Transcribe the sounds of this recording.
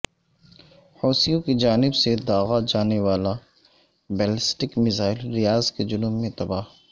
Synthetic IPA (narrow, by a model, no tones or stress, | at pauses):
hɔːsijõkid͡ʒaːnɪbsed̪aːɣad͡ʒaːneʋaːla | bɛːlɪsʈɪkmɪzaːɪlɾɪjaːzked͡ʒʊnʊmːẽt̪ɐbaːɦ